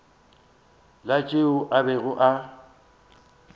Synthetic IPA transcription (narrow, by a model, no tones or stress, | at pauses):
lat͡ʃʼeʊʔabɛɣʊʔa